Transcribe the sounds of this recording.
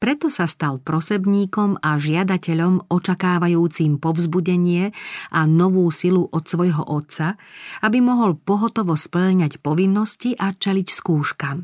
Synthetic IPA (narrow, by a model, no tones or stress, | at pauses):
pɾɛt̪ɔsast̪alpɾɔsɛbɲiːkɔmaʒɪad̪acɛʎɔmɔt͡ʃakaːʋajuːt͡simpɔvzbuɟɛɲɪɛʔanɔʋuːsiluʔɔt̪sʋɔjɦɔ̰ʔɔt̪t͡saabimɔɦɔlpɔɦɔt̪ɔʋɔspl̩ʎɲacpɔʋinːɔsciʔat͡ʃɛlicskuːʃkam